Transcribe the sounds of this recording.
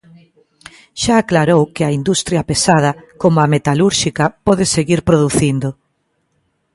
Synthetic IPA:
ʃaːklaɾowkɪaind̪ust̪ɾjɐpesað̞ɐkomʊamet̪aluɾʃikɐpɔðɪseɣiɾpɾoðuθind̪ʊ

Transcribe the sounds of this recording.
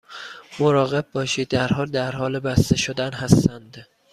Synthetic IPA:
moɾɒːɣe̞b̚ːɒːʃiːd̪̚ːæɾɦɒːld̪æɾhɒːlebæst̪eʃod̪ænɦæst̪ænd̪̥

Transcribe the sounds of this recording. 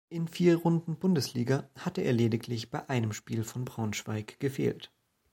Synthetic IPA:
ʔɪnfiːɐʁʊndn̩bʊndəsliːɡɐhatəʔḛːɐleːdɪklɪçb̥aɪʔaɪnəmʃpiːlfɔnbʁaʊnʃv̥aɪkɡ̥əfḛːlt

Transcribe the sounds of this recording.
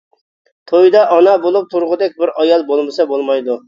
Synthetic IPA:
t̪ʰojd̪ɑʔɑnɑbolˠup̚t̪ʰuɾʁʊd̪ɛk̚ʲbɪɾɑjɑlˠbolˠmɨsɑbolˠmɑjd̪u

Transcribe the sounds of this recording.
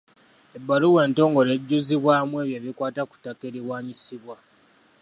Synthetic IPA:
ebːaluwe̞ːnto̞ːŋɡo̞le̞ɟːuziβwaːmue̞ːβjeːβikwaːtaku̥take̞ɾiwaːɲisiβwa

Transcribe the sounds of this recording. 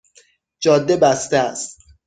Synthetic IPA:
d͡ʒɒːd̪ːe̞bæst̪eæst̪

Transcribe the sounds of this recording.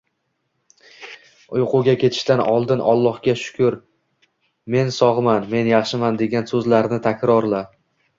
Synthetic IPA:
ʊjqʊɡʲakʲʰe̞t̪ʰɪ̥ʃt̪anɒlˠd̪ɪnʔɒ̰lˠːɒhɡʲaʃʊ̥kʰʲʊɾ | me̞nsɒʁɨmanme̞njɑχʃɪmand̪e̞ɡʲansɵzlaɾnɪt̪ʰakʲɾɒɾla

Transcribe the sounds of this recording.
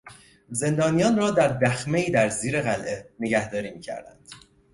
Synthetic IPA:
ze̞nd̪ɒːnijɒːnrɒːd̪æɾd̪æxmeiːd̪æɾziːɾeɣælʔene̞ɡæhd̪ɒːɾiːmiːcʰæ̰ɾd̪æ̰nd̪̥

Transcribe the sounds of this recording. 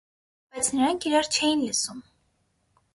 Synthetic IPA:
b̥ɑjt͡sʰnəɾɑŋkʰiɾɑɾt͡ʃʰɛjinləsum

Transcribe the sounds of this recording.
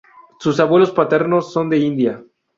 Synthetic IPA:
susaβwe̞lo̞spat̪e̞ɾno̞sːo̞nd̪e̞ind̪ja

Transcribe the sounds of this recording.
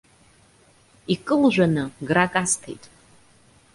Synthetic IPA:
ikʼɨlʒᶣʷanɨɡrakʼastʰḛjtʼ

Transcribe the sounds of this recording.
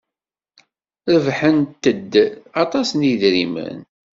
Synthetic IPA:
ðvħənt̪ːəd̪ːɑt̪ˤɑsniðɾimə̰n

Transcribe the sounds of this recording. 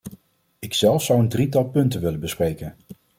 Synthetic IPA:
ɪksɛlˠfsʌwəndritɑlˠpɵntənʋɪlənbəsprejkən

